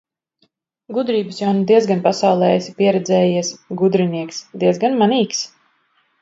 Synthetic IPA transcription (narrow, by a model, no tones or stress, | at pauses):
ɡud̪ɾiːbɨsjawnud̪iɛzɡanpasawlˠɛːɛsʲi̥piɛɾɛd̪zɛːjiɛsɡud̪ɾiniɛksd̪iɛzɡanmaniːks